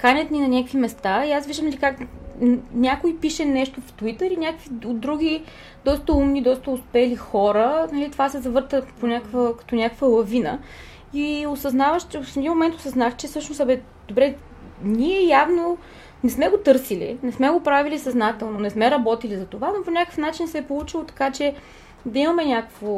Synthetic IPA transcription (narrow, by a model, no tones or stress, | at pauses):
kanʲɐt̪ninɐnʲakəkvimɛst̪aiasviʒd̪əmlikak | nʲakoipiʃɛnɛʃt̪oft̪uit̪əɾinʲakəkviod̪ɾuɡ̟ʲi | d̪̥ɔst̪əumnid̪ɔst̪əʊspɛlixɔɾənɐlit̪ovasɛzɐvɤɾt̪əponʲakəkvəkɐ̥t̪ɔnʲakəkvəlˠɐvinə̰ | iosɐznavəʃt͡ʃɛosɛd̪inmomɛnt̪osɐznaxt͡ʃɛsɤʃnosɐbɛ | d̪̥obɾɛ | niɛjavno | nɛsmɛɡot̪ɤɾsilḭnɛsmɛɡopɾavilisɐznat̪ɛlˠnonɛsmɛɾɐbɔt̪ilizɐt̪ovanoponʲakəfnat͡ʃinsɛpolˠut͡ʃilˠot̪ɐ̥kat͡ʃɛ | d̪ɐimɐmɛnʲakə̥kvo